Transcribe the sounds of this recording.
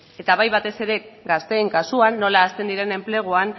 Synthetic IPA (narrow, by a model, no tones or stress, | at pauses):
e̞t̪aβajβat̪e̞se̞ɾe̞ɡast̪e̞ːŋkasuanːo̞laːst̪e̞nd̪iɾe̞ne̞mple̞ɣ̞oan